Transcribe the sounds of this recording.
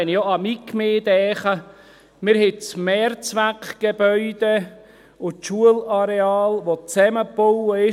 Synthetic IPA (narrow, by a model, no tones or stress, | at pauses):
ɛnijoɑmikmeːd̥̪ɛːχə | mɪɾhɛt͡smɛːrt͡sʋækɡ̥eb̥œʏd̥̪e | ʊʃuəlaɾeɑːlʋot͡sɛməpowəɪ